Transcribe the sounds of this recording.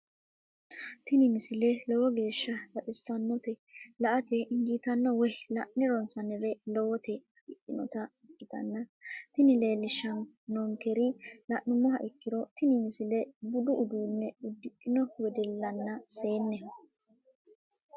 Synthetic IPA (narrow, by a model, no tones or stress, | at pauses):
t̪ɪnɪmɪsɪlɛlɔwɔɡe̞ːʃːɐbɐtʼɪsːɐnːɔt̪ɛlɐʔɐt̪ɛʔɪŋɡit̪ɐnːɔwɔlɐʔnɪɾɔnsɐnɛɾɛlɔwɔt̪ɛɐʔɪʔɪnɔ̰t̪ɐɪkːɪt̪ɐ̰nːɐt̪ɪnɪle̞ːlːɪʃːɐn | nːɔŋkɛɾɪlɐʔːʊmːɔɦɐʔɪkːɪɾɔt̪ɪnɪmɪsɪlɛbʊd̪ʊʔʊd̪uːnːɛʊd̪ːɪkʼːɪnɔwɛd̪ɛlːɐnːɐse̞ːnːɛ